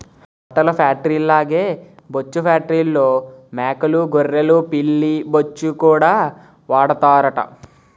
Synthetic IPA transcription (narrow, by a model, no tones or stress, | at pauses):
hɐʈɐlɐpʰjaːk̚ʈɐɾiːlːaːɡeːbot͡ʃːupʰjaːʈːɐɾiːlːoːmɛːkɐluɡorːelupilːibot͡ʃːukuːɽaː | ʋaːɽɐt̪aːɾɐʈɐ̰